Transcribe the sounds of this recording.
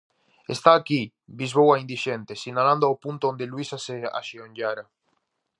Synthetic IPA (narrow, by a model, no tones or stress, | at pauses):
est̪aːki | bizβowaind̪iʃent̪esinalãnd̪oawpunt̪oond̪elwisasea̰ʃioɲɟaɾa